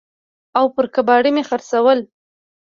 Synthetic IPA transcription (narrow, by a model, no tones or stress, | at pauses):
awpəɾkabɑɽimexaɾsawəl